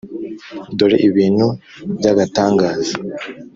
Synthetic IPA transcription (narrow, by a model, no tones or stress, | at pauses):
doɾeʔiβiːnhu | bɟaɡataːŋɡaːza